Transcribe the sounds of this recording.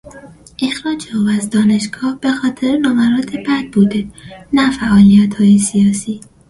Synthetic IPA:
ʔexɾɒːd͡ʒɒvæzd̪ɒːne̞ʃɡ̥ɒːhb̥e̞xɒːt̪ʰeɾenɒmæɾɒːt̪ʰebæd̪̚buːd̪e̞næfæʔɒːlijæt̪hɒːjesijɒːsiː

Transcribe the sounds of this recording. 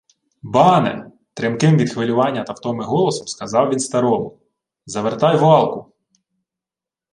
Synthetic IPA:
bɑnɛ̰ | t̪ɾɪmkɪmʋʲid̪xʋɪlʲʊʋɑnʲːɐt̪ɐwt̪ɔmɪɦɔlˠɔsɔ̥mskɐzɑwʋʲinst̪ɐɾɔmʊ | zɐʋert̪ɑjʋʊɑlˠkʊ

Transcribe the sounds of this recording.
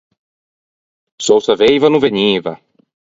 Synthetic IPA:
sowsɐvejvɐnuveɲivɐ

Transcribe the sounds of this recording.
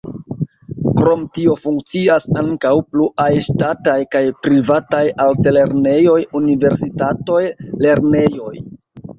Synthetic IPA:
kɾo̞mtio̞fuŋk̚t͡siasaŋkawpluʔajʃtatajkajpɾivatajaltele̞ɾne̞jo̞junive̞ɾsitato̞jle̞ɾne̞jo̞j

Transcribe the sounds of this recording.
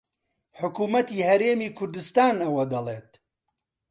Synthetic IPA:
ħʊkuːmɐt̪iːhɐɾeːmiːkʰʊɾd̪ɨst̪aːnɐwɐd̪ɐlˠḛːt̪̚

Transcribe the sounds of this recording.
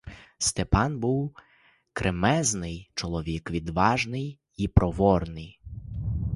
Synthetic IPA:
st̪epɑnbuw | kɾʔemɛznɪjt͡ʃɔlˠɔʋʲikʋʲid̪ʋɑʒnɪj | ipɾɔʋɔrnɪj

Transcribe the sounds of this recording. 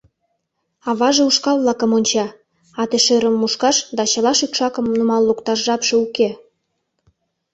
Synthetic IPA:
ɑβɑʒeuʃkɑlβlɑkə̆monʲt͡ɕɑ | ɑt̪eʃeɾə̆mːuʃkɑʃd̪ɑt͡ɕɤ̆lɑʃykʃɑkə̆mnumɑlːukt̪ɑrʒɑpʃeuke

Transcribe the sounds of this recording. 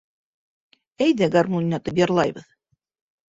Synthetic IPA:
æjðæɡarmunʲːat̪ɤpjɑɾlˠɑjbɤ̆ð

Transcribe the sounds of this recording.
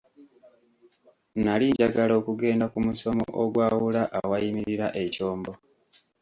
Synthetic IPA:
naliːɟaɡalo̞ːkuɡe̞ːndakumuso̞mo̰ʔoɡwaːwulaʔawajimiɾiɾaʔe̞co̞ːmbo

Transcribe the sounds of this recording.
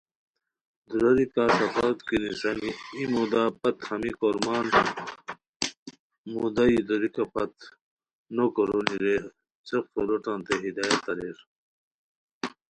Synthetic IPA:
d̪uɾɐɾikaːsɐfaːt̪kinisɐniimoːd̪aːpɐt̪hɐmikoɾmaːn | mud̪aid̪oɾikɐpɐt̪ | nokoɾoniɾe | t͡sɐkfoloʈãːnt̪eɦid̪aːjɐt̪ɐɾeɾ

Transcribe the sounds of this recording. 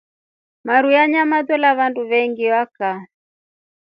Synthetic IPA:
maɾujaɲamadɔlaβanduβɛŋɡiwaka

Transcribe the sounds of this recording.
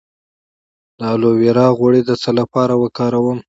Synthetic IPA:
d̪ɑloweɾɑɣwaɽed̪ət͡səlapɑɾawəkɑɾawəm

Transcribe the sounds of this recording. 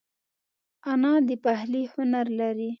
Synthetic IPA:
anɑd̪əpahlihʊnaɾlaɾi

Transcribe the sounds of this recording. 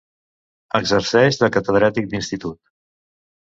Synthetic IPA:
əɡzəɾsɛʒðəkət̪əðɾat̪ik̚d̪inst̪it̪ut̪̚

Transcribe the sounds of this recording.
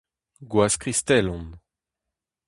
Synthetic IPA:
ɡwaskʁist̪ɛlɔ̃n

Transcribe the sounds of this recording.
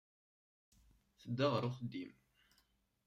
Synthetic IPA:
θəd̪ːəʁɾˤʊχəd̪im

